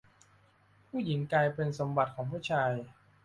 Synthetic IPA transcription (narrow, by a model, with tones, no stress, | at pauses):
pʰuː˥˩ji˩˦ŋklaː˧jpe˧nso˩˦mba˨˩t̪̚kʰɔː˩˦ŋpʰuː˥˩t͡ɕʰaː˧j